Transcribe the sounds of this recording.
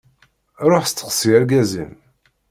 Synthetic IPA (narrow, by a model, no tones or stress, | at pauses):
ɾˤoħst̪ːə̥qsiæɾɡæzḭn